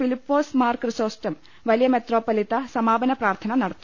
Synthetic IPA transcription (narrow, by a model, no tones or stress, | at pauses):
filipːoːsmaːɾkɾɨsoːsʈɐm | ʋɐlijɐmet̪roːpːɐlit̪ɐsɐmaːbɐnɐpɾaːɾt̪ʰɐnɐnɐɽɐt̪ːu